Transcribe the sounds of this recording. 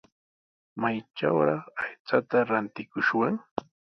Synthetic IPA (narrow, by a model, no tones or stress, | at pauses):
majt͡ʃa̰wɾɑχajt͡sat̪aɾant̪ɪkʊʃwaŋ